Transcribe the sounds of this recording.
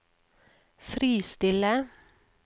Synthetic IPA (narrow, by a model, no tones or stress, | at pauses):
fɾiːst̪ɪlə